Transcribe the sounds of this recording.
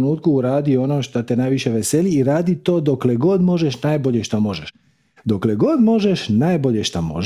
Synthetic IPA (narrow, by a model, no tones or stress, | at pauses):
nuːt̪̚kuuɾaːd̪io̞noːʃt̪at̪enajʋiʃeʋeseliːɾaːd̪it̪o̞ːd̪o̞kleɡo̞d̪mo̞ʒeʃnajbo̞ʎeʃt̪amo̞ʒeʃ | d̪okleɡo̞d̪mo̞ʒeʃnajbo̞ʎeʃt̪amo̰ʒ